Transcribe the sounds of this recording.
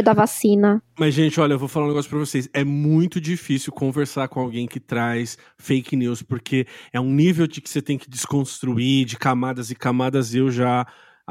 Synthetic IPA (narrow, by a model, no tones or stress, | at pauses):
d̪ɐvasĩnɐmɐzʒẽt͡ʃɪɔʎɐewvofalaũneɡɔsjʊpɾɐvosejsɛmũj̃t̪ʊd͡ʒifisiwkõveɾsaɾkõawɡẽj̃kɪt̪ɾajs | fejkniwspoɾkʰeɛũnivewd͡ʒɪkɪ̥set̪ẽj̃kɪd͡ʒɪskõst̪ɾuid͡ʒɪkamad̪ɐzɪkamad̪ɐzewʒa